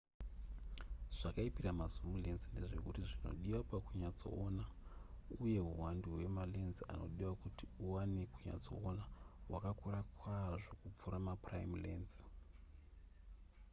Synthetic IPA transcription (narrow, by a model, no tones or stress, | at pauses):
ʐ̥akaipiramazumulenzinde̞ʐe̞̰kutiʐino̞̰ɗiwapakuɲad͡zo̞̰ːna | uje̞ɦuwanduɦwe̞malenzia̰no̞̰ɗiwakutiuwanekuɲa̰d͡zo̞̰ːnaɦwakakuɾakwaʐo̞kup͡fuɾamapraimlenzi̥